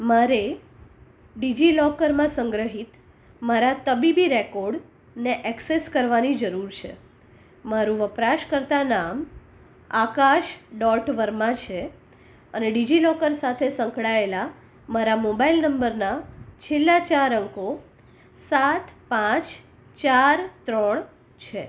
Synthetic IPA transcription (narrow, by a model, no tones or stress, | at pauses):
maɾe | ɖid͡ʒilɔkəɾmãsəŋɡɾəɦit̪ | maɾat̪əbibiɾekɔɾɖ | neʔɛkseskəɾʋanid͡ʒəɾuɾt͡ʃʰḛ | maɾũʋəpɾaʃkəɾt̪anam | akaʃɖɔʈʋəɾmãt͡ʃʰe | əneɖid͡ʒilɔkəɾsat̪ʰesə̃ŋkɽaela | maɾamobailnəmbəɾnat͡ʃʰelːat͡ʃaɾəŋko | sat̪ʰpãt͡ʃ | t͡ʃaɾt̪ɾəɳ | t͡ʃʰe